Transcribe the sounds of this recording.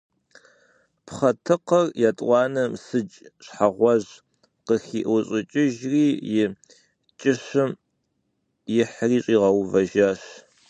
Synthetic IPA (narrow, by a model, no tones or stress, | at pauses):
pχɐtʰɨqɐrjatʼʷɑːnɐmsɨt͡ʃʼɕħaʁʷɔʑ | qəxḭːʔʷuɕʼɪt͡ʃʼɪʒriːjɪ | t͡ʃʼɪɕɨm | jɪħriːɕʼiːʁɐwvɐʒaːɕ